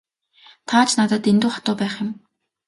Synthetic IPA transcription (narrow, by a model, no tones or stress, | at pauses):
t̪ʰaːt͡ɕʰnat̪ə̆t̪ent̪uːχḁt̪ʊːpæːχjɪ̆m